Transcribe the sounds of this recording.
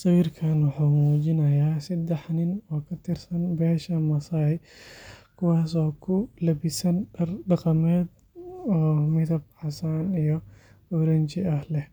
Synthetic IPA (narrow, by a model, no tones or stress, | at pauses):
sɐwiːrkʰɐnwʊħuːmuːt͡ʃɪnɐjaːsɐd̪ɛħnɪnɔːkʰɐt̪ʰɪrsɐnbɛːʃɐmɐsɐj | kʰʊwɑːsɔːkʰʊlɐbɪsɐnɖɐrɖɑqɑmɛːd̪ | ɔːmɪðɐb̚ħɑsaːnijɔɔɾɐɲt͡ʃɪɐhlɛh